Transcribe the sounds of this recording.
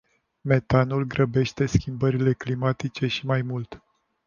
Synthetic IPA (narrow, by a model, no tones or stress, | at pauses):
me̞t̪anulɡɾəbe̞ʃt̪e̞skʲimbəɾile̞klimat̪it͡ʃe̞ʃimajmult̪